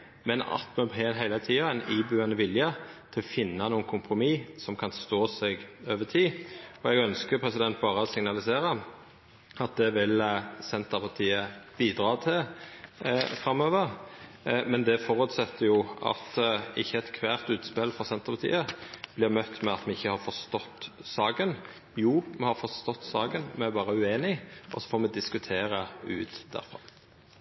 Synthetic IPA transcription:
mɛnɑ̰t̪mʉbɦɛːnɦæɪlət̪ʰiːɑɛɪniːbʉːɛnəʋɪljət̪ʰɪlɔfɪnːɑnuːəkʰʊmpʰʁʊmiːsɔmkʰɑnst̪oːsɛɡøːʋət̪ʰiːɔɛɡœnskəpʰʁɛsɪd̪ɛnt̪̚bɑːʁəɔsɪŋnɑlɪseːɾɑ | ɑt̪̚d̪ɛʋɪlsɛnt̪əpʰɑʁt̪ʰiːəb̥iːd̪ɾɑːt̪ʰɪl | fʁɑmːøːʋəʁ | mɛnd̪ɛfɔʁʉːt̪sɛt̪ːəjʊɑ̰t̪ɪçːəɛt̪kʰʋæːʁt̪ʉːt̪spɪlfɔʁsɛnt̪əʁpɑt̪ʰḭːəb̥lɪʁmœt̪ːmɛɑt̪mɛɪçːəhɑɾfɔɾst̪ɔt̪ːsɑːɡən | juːmɛhɑɾfɔʁst̪ɔt̪ːsɑːɡənmɛæɾbɑːʁəʉeːnɪʔɔsɔ̥foːɾmɛd̪ɪskʉt̪ʰeːɾəʉ̰ːt̪d̪̥æ̰ɾfʁɑ̰m

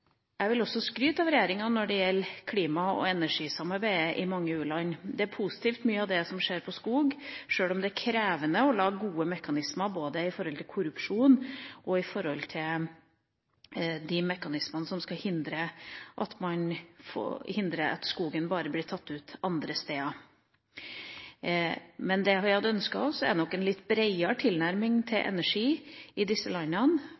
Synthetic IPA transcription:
æɪʋɪlɔsːɔskɾyːt̪ɑʋɾɛjeːɾɪŋɑnɔɖɛjɛlːkʰliːmɑɔ̰ɛnæʂiːsɑmɑɾbæɪəʔɪmɑŋːəʉːlɑnd̪ɛæɾpʰusɪ̥t̪ʰiːft̪myːəɑʋd̪ɛsɔmʂeːɾpʰɔskuːɡʂøːlɔmd̪ɛækʰɾeːʋənəɔlɑːɡuːəmɛkɑnɪsmɑɾboːd̪əɪfɔɾhɔlt̪ʰɪkʰʊɾʉpʂuːnʔɔɪfɔɾhɔlt̪ʰɪl | d̪ɪmɛkɑnɪsmənəsɔmskɑhɪnd̪ɾəʔɑt̪mɑnfo̰hɪnd̪ɾəɑ̰t̪skuːɡənbɑːɾəblɪːɾt̪ʰɑt̪ːʉːt̪ɑnd̪ɾəst̪eːɑ | mɛnd̪ɛhʋɪhɑd̪əœnskɑɔsɛ̰nɔkːɛnlɪt̪ːbɾeɪəʈ̪ʰɪlnæɾmɪŋt̪ʰɪlʔɛ̰næʂiːɪd̪ɪsːəlɑnːɑn

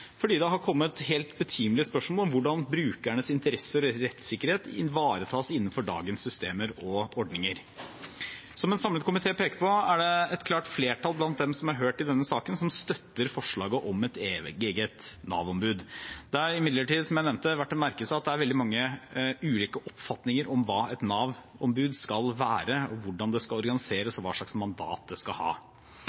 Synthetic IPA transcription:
fɔɖiːd̪ɛɦɑɾkʰɔmːət̪ɦelt̪bət̪ʰiːmlɪəspœʂmoːlɔmʋʊɖɑnbɾʉːkæɳəsɪnt̪əɾɛsəɾɾɛt̪sɪkːəɾheːt̪ɪ̰ʋɑːɾət̪ʰɑːsɪnːən̩fɔɖɑ̰ːɡənsːʏst̪eːməɾɔɔɖnɪŋəɾ | sɔmɛnsɑmlət̪kʊmɪt̪ʰeːpʰeːkəpʰɔæɖɛɛt̪kʰlɑːʈfleːʈʰɑlblɑnt̪̚d̪ɛmsɔmɑɾɦøːʈɪld̪ɛnːəsɑːkənsɔmst̪œt̪ːəɾfɔʂɭɑːɡəʔɔmɛt̪eːeːɡət̪nɑ̰ːʋɔmbʉːd̪d̪̥ɛɑɾɪmɪd̪ləʈiːd̪sɔmjæɪnɛʋnt̪əʋæʈːɛt̪mæɾkəsɑɑt̪̚d̪ɛæɾʋɛld̪ɪmɑŋːəʉːliːkəʔɔpfɑt̪nɪŋəɾɔmʋɑːɛt̪nɑːʋɔmbʉːd̪skɑlʋæːɾəɔʋʊɖɑnd̪ɛskɑlɔɾɡɑnɪseːɾəsɔʋɑ̰ːʂɭɑksmɑnd̪ɑ̰ːt̪̚d̪ɛskɑhɑ̰ː

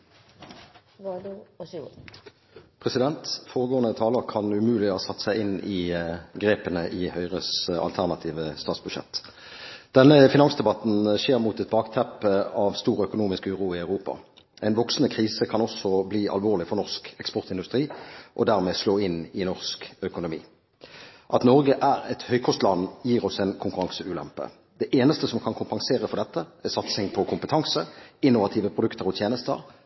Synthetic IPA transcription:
pʰʁɛsɪd̪ɛnt̪foːʁəɡoːənət̪ʰɑːləʁkʰɑnʉmʉːlɪɔsɑt̪ːsæɪɪnɪɡʁeːpənəʔɪhœʏʁəsɑ̰lt̪ʰæʁnɑt̪ʰiːʋəst̪ɑːt̪sbʉd̪ʃɛ̰t̪ː | d̪̥ɛnːəfɪnɑŋsd̪ɛbɑt̪n̩ʃeːʁmut̪ɛt̪̚bɑːkt̪ʰɛpəɑʋst̪uːʁœkʊnuːmɪskʉːʁuːɪæʉʁuːpɑ̰ | ɛɪnʋɔksn̩əkʰɾiːsəkʰɑnɔsɔbliːʔɑ̰lʋoːʁlɪfɔʁnɔʁskɛkspɔʁt̪ɪnd̪ʉst̪ʁiːʔɔd̪æʁmeːsloːɪnɪnɔʁskœkʊnʊmḭː | ʔɑt̪nɔʁɡəʔæːɾɛt̪hœʏkʰɔst̪lɑnːjiːʁɔsɛɪnkʰʊŋkʉɾɑŋsəʉːlɛ̰mpə̰ | d̪ɛʔeːnəst̪əsɔmkʰɑnkʰʊmpɑŋseːɾəfɔʁd̪ɛt̪ːəɛsɑt̪sɪŋpʰɔkʰʊmpət̪ʰɑŋsəɪnːʊʋɑt̪ʰiːʋəpʰʁʊd̪ʉkt̪ʰəʁɔt̪ʰjeːnəst̪ə̰ʁ

